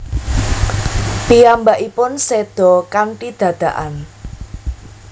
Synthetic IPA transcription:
piambaʔipʊnsed̪̥ɔ̤kaŋʈid̪̥ä̤d̪̥ä̤ʔan

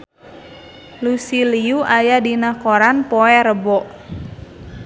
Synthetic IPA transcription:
lusiliuʔajadinakoɾanpɔɛɾəbɔʔ

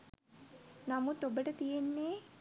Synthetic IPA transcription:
namut̪obəʈət̪ijenːeː

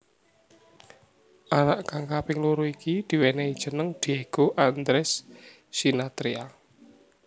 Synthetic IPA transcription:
ʔanaʔkaŋkapɪŋluɾuikid̪̥i̤wɛnɛid̥ʒ̥ə̤nəŋd̪̥ieɡ̥oʔand̪ɾɛsː | inat̪ɾia

